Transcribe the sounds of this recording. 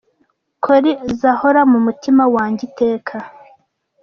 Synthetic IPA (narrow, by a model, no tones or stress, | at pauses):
kʰoɾizahoɾamumutimawaːɲɟite̞ːkʰa